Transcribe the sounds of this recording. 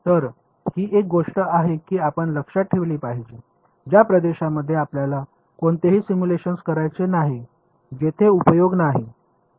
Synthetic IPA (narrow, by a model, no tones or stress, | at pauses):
t̪əɾ | hiːʔek̚ɡoʂʈəaɦekiːapəɳləkʂaʈʰːeʋliːpaɦid͡ʑiː | d͡ʑjapɾəd̪eɕaməd̪ʱːjeapljala | koɳt̪eɦiːsimjuleɕənskəɾajt͡senaɦi | d͡ʑet̪ʰeupəjoɡnaɦi